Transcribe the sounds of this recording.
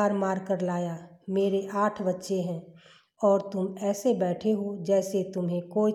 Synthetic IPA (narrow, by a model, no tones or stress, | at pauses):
aːɾmaːɾkəɾlaːjameːɾeʔaːʈʰbɐtːʃeɦɛ̃ː | ɔːɾt̪ʊmɛːsebɛːʈʰeɦod͡ʒɛːset̪ʊmɦẽkoːi